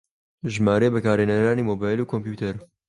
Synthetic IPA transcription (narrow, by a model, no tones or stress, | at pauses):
ʒmaːɾebəkaːɾeːnɐɾaːniːmoːbaːjluːkʰompjuːt̪ʰɛɾ